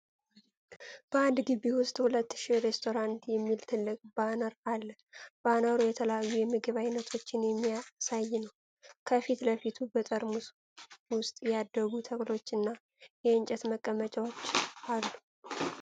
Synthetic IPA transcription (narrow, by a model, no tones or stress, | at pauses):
b̥əand̪ɡiβiwʊst̪ʼhulət̪ːʃiɾe̞st̪ʰo̞ɾant̪jɛmːilt̪ʰɨlːɨkʼbanəɾalːə | b̥anəɾujɛt̪ʰələjajːujɛmɨɡɨβajnːət̪ʰo̞t͡ʃːɪnjɛmːijasajːnəw | kʰəfit̪ləfit̪ʰubət̪ʼəɾmus | wʊst̪ʼjɛad̪ːəɡut̪ʰəkʼlo̞t͡ʃːɨnːa | jɛɨnt͡ʃʼɛt̪məkʼːəmət͡ʃʼawot͡ʃːalːu